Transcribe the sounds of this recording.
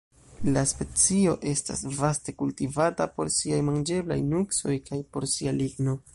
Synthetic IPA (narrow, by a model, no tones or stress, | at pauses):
laspe̞t͡sio̞ʔe̞sta̰svaste̞kultivatapo̞̰ɾsiajmand͡ʒe̞bla̰jnukso̞jkajpo̞ɾsialiɡno̞